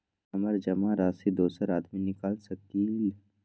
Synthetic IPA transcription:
ɐməɾd͡ʒɐmaɾaːsid̪oːsəɾaːd̪minɪkaːlsɐt̪iːl

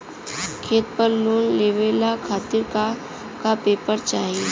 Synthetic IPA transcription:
kʰeːt̪pəɾloːnleːʋeːlakʰaːt̪ɪɾka | kapeːpəɾt͡ʃaːɦie

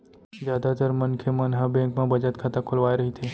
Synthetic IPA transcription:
d͡ʒjaːd̪at̪əɾmɐnkʰemɐnɦabẽːŋkmẽbɐd͡ʒət̪kʰat̪akʰʊlʋaːeɾɐɦit̪ʰeː

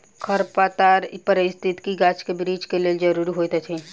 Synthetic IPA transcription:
kʰəɾpat̪aːɾpəɾɪst̪ʰɪt̪kiɡaːt͡ʃkebɾiːd͡ʒkeleːld͡ʒɐɾuːɾiɦoːjt̪ɛt̪ʰẽ

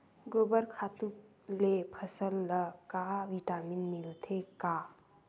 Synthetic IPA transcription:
ɡoːbəɾkʰat̪uk | lepʰəsəlːəkaʋiʈaːminmilt̪ʰekaː

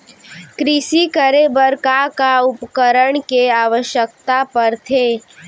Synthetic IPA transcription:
kɾɪsikəɾebəɾkakaʊpkəɾəɳ̃keaːʋəʃjək̚t̪apəɾt̪ʰeː

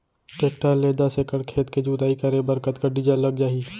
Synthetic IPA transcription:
ʈekʈaleːd̪asekəɽkʰeːt̪ked͡ʒuːt̪aːikəɾebɐɾkət̪kaɖɪd͡ʒəlːɐɡd͡ʒaːɦiː

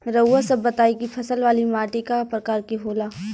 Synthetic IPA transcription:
ɾɐːasɐbːɐt̪aːikipʰɐsəlʋaːlimaːʈikapɾɐkaːɾkiɦoːlaː

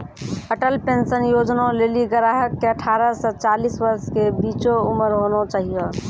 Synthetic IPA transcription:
əʈəlpensənjod͡ʒnõleːliɡəɾaɦəkːeəʈʰaːɾəsət͡ʃaːlisʋəɾskebiːt͡ʃouməɾɦonot͡ʃaːɦio

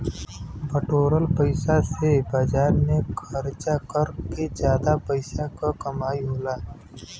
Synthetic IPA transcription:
bəʈoːɾəlpəɪsasebaːd͡ʒaːɾnekʰəɾt͡ʃakəɾked͡ʒjaːd̪apəɪsakakəmaːiɦoːlaː

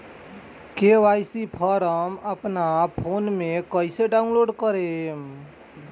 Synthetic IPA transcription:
keʋaːjsipʰɔɾəməpnapʰoːnmẽkəɪseɖaʊnloːɖkəɾem

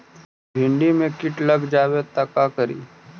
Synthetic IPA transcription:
bʱɪ̃ɳɖimẽkɪʈlɐɡd͡ʒaːwet̪ɐkakəɾḭː

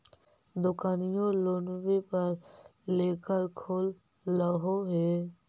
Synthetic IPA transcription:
d̪okanijolonɾepaɾlekaɾkʰolː | ɔɦoɦe

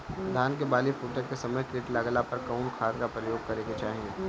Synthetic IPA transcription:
d̪ʱaːnkebaːlifuːʈəkkːesɐməjkɾiːʈlaːɡlapɐɾkaʊnkʰaːd̪kapɾɐjoːɡ̚kɐɾeket͡ʃaːɦĩe

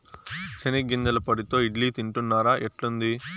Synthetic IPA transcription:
t͡ʃeniɡind̪ɐlɐpɐɽit̪o̞ːiɖliːt̪iɳʈunːaːɾaːʔeʈlund̪i

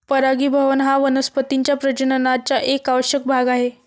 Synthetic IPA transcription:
pəɾaɡiːbʱəʋənɦaʋənəspət̪iɲt͡ɕjapɾət͡ɕənənat͡ɕjaʔekaʋɕək̚bʱaɡaɦe

